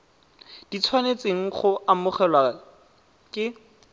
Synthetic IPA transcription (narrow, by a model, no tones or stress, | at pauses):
d̥it͡sʰwanet͡seŋ̩χʊamʊχɛlwa | kʼɪ